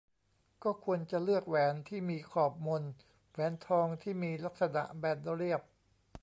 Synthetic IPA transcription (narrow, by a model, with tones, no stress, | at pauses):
kɔː˥˩kʰu˧ənt͡ɕa˨˩lɯ˥˩ək̚wɛː˩˦nt̪ʰiː˥˩miː˧kʰɔː˨˩p̚mo˧n | wɛː˩˦nt̪ʰɔː˧ŋt̪ʰiː˥˩miː˧la˦˥k̚sa˧na̰˨˩ʔbɛː˨˩t̪̚do˧li˥˩əp̚